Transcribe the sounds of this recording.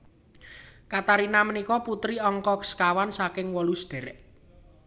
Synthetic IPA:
kat̪aɾinamənikɔput̪ɾiɔŋkɔkə̥skawansakɪŋwɔlusd̪̥e̤ɾɛʔ

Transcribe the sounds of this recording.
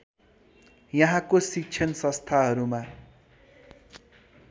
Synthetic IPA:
jʌɦãkosik̚t͡sʰjʌnsʌ̃st̪ʰaɦʌɾuma

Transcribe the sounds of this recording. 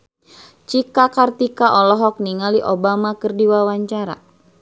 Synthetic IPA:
t͡ʃikakart̪ikaʔɔlɔɦɔk̚niŋaliʔobamakɨrdiwawaɲt͡ʃaɾa̰

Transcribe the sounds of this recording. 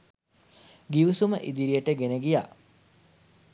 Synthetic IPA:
ɡiʋusuməʔid̪iɾijəʈəɡenəɡija̰

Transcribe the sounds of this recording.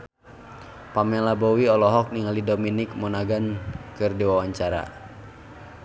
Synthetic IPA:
pamɛlabɔwiɔlɔɦɔk̚niŋalidominik̚mɔnaɡankɨrdiwawaɲt͡ʃaɾa̰

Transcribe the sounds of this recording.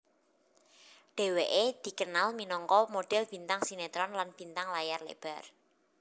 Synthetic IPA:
ɖ̥e̤weʔed̪̥i̤kənalminɔŋkɔmoɖ̥ɛ̤lb̥i̤nt̪aŋsinet̪ɾɔnlanb̥int̪aŋlajarlḛb̥a̤r

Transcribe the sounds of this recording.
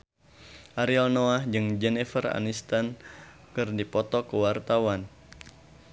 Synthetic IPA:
ʔaɾialnoahd͡ʒɨŋd͡ʒɛnɛfəra̰nist̪an | kɨrdipɔt̪ɔkəwart̪awan

